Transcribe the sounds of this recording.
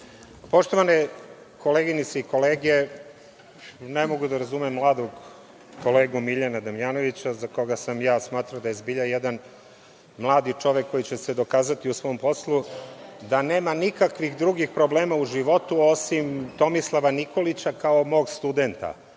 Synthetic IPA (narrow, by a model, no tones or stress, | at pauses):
po̞ʃt̪o̞ʋane | ko̞leɡinit̪seiko̞leːɡe | nemo̞ɡud̪aɾazumɛmːlˠaːd̪oɡ | ko̞leːɡumiʎanad̪amjaːno̞ʋit͡ɕazako̞ɡasamjaːsmaːt̪ɾad̪ajezbiʎajed̪an | mlˠaːd̪it͡ʂo̞ʋekːo̞jit͡ɕe̞sed̪o̞kaːzat̪iusʋo̞ːmpo̞slˠud̪ane̞ːmanikakʋixd̪ɾuɡixpɾo̞bleːmauʒiʋo̞t̪uo̞simt̪o̞mislˠaʋaniko̞lit͡ɕakao̞mo̞ːɡst̪ud̪ent̪a̰